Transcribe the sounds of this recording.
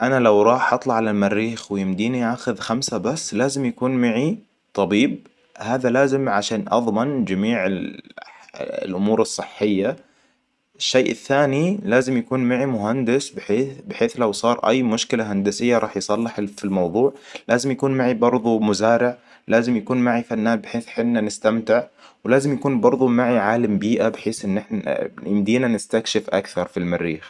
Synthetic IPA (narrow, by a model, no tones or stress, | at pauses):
ʔanalawɾˤɑːħʔɑt̪ˤlɑʕalalmarːiːxwɪjɪmd̪iːniʔaːxʊðxamsabasːlaːzɪmjakuːnmaʕi | t̪ˤɑbiːb̚ | haːðalaːzɪmʕaʃaːnʔɑ̰ðˤmɪnd͡ʒamiːʕɪl̰ | lʔʊmuːɾɨsˤːɨħːɪjːa | ɪʃːejʔɪ̰θːaːnilaːzɪmjakuːnmaʕimʊɦand̪ɪsbɪħeːbɪħeːθlawsˤɑːɾˤʔa̰jːmʊʃkɪlaɦand̪asɪjːaɾˤɑːħjsˤɑlːɪħfilmɑwðˤuːʕlʔaːzɪmjakuːnmaʕibɑɾˤðˤumʊzaːɾɪʕ | laːzɪmjakuːnmaʕifanːaːbɪħeːθħɪnːanɪst̪amt̪ɪʕwlaːzɪmjakuːnbɑɾˤðˤumaʕiʕaːlambiːʔabɪħeːsʔɪnːɪħnajɪmd̪iːnanɪst̪akʃɪfʔa̰kθɑɾˤfilmarːiːx